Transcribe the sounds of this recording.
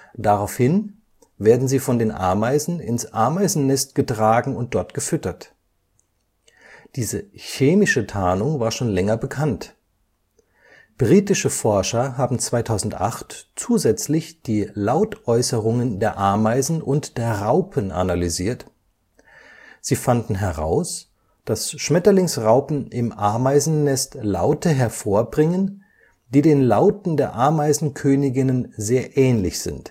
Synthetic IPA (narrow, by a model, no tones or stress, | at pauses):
d̥aʁaʊfhɪn | veːɐdn̩ziːfɔndeːnʔa̰ɐmaɪzn̩ɪ̰nsʔa̰ɐmaɪzn̩nɛstɡ̥ətʁ̥aːɡŋ̩ʊnt̚d̥ɔɐtɡ̥əfʏtɐt | d̥iːzəçeːmɪʃətʰaːnʊŋvaːɐʃoːnlɛŋɐbəkʰant | b̥ʁiːtɪʃəfɔɐʃɐɦaːbm̩t͡sv̥aɪtʰaʊzn̩tʔa̰χtt͡suːzɛt͡slɪçd̥iːlaʊtʔɔʏsəʁʊŋəndeːɐʔaɐmaɪzn̩ʔʊntd̥eːɐʁaʊpʰənʔa̰nalyziːɐt | z̥iːfandn̩ɦɛʁa̰ʊs | d̥asʃmɛtɐlɪŋsʁaʊpn̩ɪmʔa̰ɐmaɪzn̩nɛstla̰ʊtəɦɛɐfoːɐbʁɪŋən | d̥iːdeːnlaʊtn̩deːɐʔaɐmaɪzn̩kʰøːnɪɡɪnənzeːɐʔɛːnlɪçz̥ɪ̰nt